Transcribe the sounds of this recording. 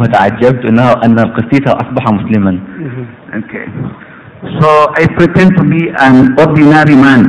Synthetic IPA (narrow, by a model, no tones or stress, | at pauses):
hat̪aʕad͡ʒːab̚t̪ʔɪnːhaʔanːalqɨsˤiːt̪haʔɑsˤbɑħɑmʊslɪman | okʰḛ | soʔajpɾitɛ̃n̚t̪ubiʔanʔoɾd̪inaɾimãn